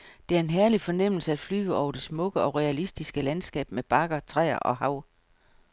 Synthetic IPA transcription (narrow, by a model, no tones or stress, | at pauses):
d̥e̝æɐe̝nɦæɐlifɒ̽nem̰l̩səæd̥fly̰ːʊəɒʊ̰ɐd̥e̝smɔ̽ɡ̥əɒ̽ʁɛælisd̥isɡ̥əlænsɡ̥ɛ̰ːb̥̚meb̥ɑ̈ɡ̥ɐt͡sʰʁɛ̰ːɐ̰ʔɒ̽hɑ̈ʊ